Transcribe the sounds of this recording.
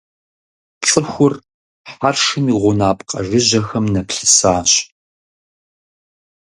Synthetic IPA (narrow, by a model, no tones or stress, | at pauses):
t͡sʼɨxʷʊr | ħarʂɨmiːʁʷʊnaːpʼqʼɐ̰ʒɪʑɐxɐmnɐpɬɨ̥saːɕ